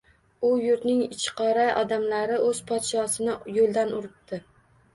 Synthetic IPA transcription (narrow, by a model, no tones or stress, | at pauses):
ʊjʊɾt̪nɪŋɪt͡ʃʰqʰɒɾaʔɒd̪amlaɾɪʔɵzpʰɒt̪ʃɒsɪnɪjolˠd̪anʊɾɪp̚t̪ʰɪ